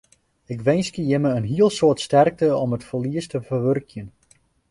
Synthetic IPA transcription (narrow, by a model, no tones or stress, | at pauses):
ɪkʋɛjnskəjɪməənɦiəlˠsoətstɛrk̚təɔmətfəliəstəvəʋørkjən